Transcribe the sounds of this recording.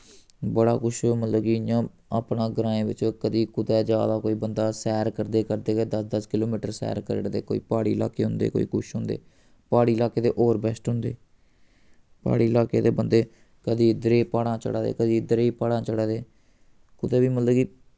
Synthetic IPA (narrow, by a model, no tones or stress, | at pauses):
bəɽa̰ːkʊʃmət̪ləbkijãː | aːpnãːɡəɾãːẽːʋɪt͡ʃkəd̪iːkʊd̪ɛːd͡ʒjaːd̪aːkoːiːbənd̪aːsɛːɾkəɾd̪eːkəɾd̪eːkːd̪əsd̪əskɪloːmiːʈəɾsɛ̰ːɾkəɾəɽd̪eːko̰ːḭːpaːɽḭːla̰ːkeːɦʊnd̪ḛːko̰ːḭːkʊʃɦʊ̃nd̪ḛː | paːɽiːlaːkeːd̪eːʔoːɾbɛːsʈɦʊ̃nd̪eː | pa̰ːɽiːlaːkeːd̪eːbənd̪eː | kəd̪iːɪd̪əɾeːpaːɽãːt͡ʃə̰ɽaːd̪ḛːkəd̪iːɪd̪əɾeːiːpaːɽãːt͡ʃəɽaːd̪eː | kʊd̪ɛːʋiːmət̪ləbkiː